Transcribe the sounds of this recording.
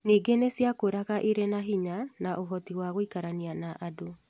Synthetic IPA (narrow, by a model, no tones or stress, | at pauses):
niːɡenesjakoɾaɣaʔeɾɛnaɦiɲanaʔoɦɔtiwaɣoikaɾanianaʔado